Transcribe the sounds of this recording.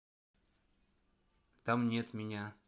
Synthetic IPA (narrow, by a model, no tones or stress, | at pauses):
t̪amnʲet̪mʲɪnʲa